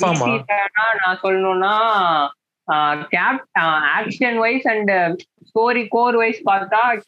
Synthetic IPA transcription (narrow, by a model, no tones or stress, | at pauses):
mɐmit̪ːɐnaːnãːsɔlːɐnõːnːaː | kaːp̚aːkʂɐnʋɐɪsɐɳɖsoːɾikoːɾʋɐɪspaːɾt̪aː